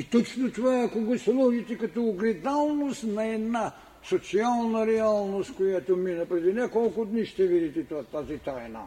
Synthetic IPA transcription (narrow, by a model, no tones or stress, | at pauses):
it̪ot͡ʃnot̪ovaakoɡoslˠuʒit̪ɛkat̪oːɡɾɛd̪alˠnost̪nɐɛd̪na | sot̪sialˠnaɾɛalˠnost̪kojat̪ominɐpɾɛd̪inɛkolˠkʊd̪niʃt̪ɛvid̪it̪ɛt̪oat̪azit̪ajna̰